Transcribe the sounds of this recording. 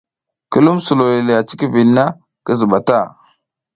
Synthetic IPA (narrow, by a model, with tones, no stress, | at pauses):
kə˦lu˦msu˨lo˨le˨le˨ja˨t͡ʃi˦ki˦vi˨lna˦ | kə˦zə˨ɓa˨ta˦˨